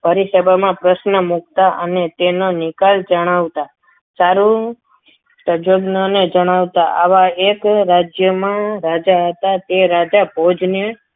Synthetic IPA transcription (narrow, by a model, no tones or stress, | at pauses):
bʱəɾisəbʱamãpɾəʃnəmuk̚t̪aʔənet̪enonɪkald͡ʒəɽ̃aʋt̪a | saɾu | təd͡ʒoɡnəned͡ʒəɽ̃aʋt̪aʔaʋaekɾad͡ʒjəmãɾad͡ʒaɦət̪at̪eɾad͡ʒabʱod͡ʒne